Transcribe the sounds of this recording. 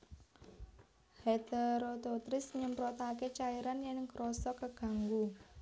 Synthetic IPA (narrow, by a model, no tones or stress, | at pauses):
het̪eɾot̪ot̪ɾɪsɲəmpɾɔt̪aket͡ʃaiɾanjɛŋɡɾɔsɔkəɡ̥ä̤ŋɡu